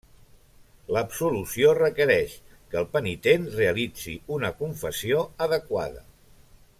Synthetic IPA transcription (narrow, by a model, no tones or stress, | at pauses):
ləbsulusiorəkəɾɛʃ | kəːlˠpənit̪enreəlid͡zḭunəkuɱfəsioəðəkwa̰ðə̰